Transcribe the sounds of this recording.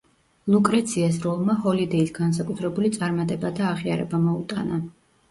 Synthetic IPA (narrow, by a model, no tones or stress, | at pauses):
lˠukʼɾɛt̪sʰiasɾɔlˠmahɔlid̪ɛisɡans̬akʼut̪ʰɾɛbulit̪sʼaɾmat̪ʼɛbat̪ʰaːʁia̰ɾɛ̰bamɔut̪ʼa̰na